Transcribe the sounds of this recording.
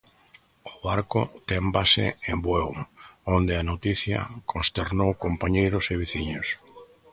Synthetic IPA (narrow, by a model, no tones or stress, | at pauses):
ʊβaɾkʊt̪ɛmbasɪ̰embwɛwond̪ɪanot̪iθjɐ̰kʰõnst̪eɾnowkompaɲejɾʊseβiθiɲʊs